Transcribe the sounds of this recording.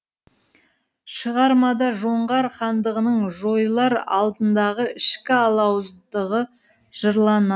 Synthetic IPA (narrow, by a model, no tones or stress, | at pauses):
ʃəʁɑɾmɑd̪ɑʒo̞ɴʁɑɾχɑnd̪əʁənəɴʒo̞jlˠɑɾɑ̰lˠd̪ənd̪ɑʁəɪʃkʲɪɑlˠɑwzd̪əʁə | ʒ̥əɾlˠɑnɑ